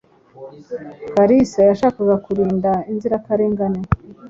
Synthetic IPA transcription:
kaɾisajaʃaːkaɡakuɾiːndainziɾakaɾeːŋɡane

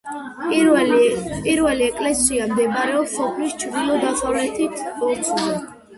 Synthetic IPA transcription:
pʼiɾvɛliɛkʼlɛsiamd̪ɛbɾɛɔpsɔpʰlist͡ʃʰvɾd̪ilˠɔd̪asʼavlɛt̪ʰit̪ʰɔɾt̪sʰʼɛ

